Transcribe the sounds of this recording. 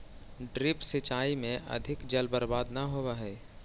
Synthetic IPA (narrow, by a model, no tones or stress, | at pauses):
ɖɾɪpsɪt͡ʃaːimẽʔɐ̰d̪ʱɪkd͡ʒəlbəɾbaːd̪nɐɦowaɦɛː